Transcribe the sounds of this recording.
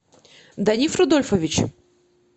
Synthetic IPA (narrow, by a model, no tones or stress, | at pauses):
d̪ɐnʲifɾʊd̪olʲfəvʲɪt͡ɕ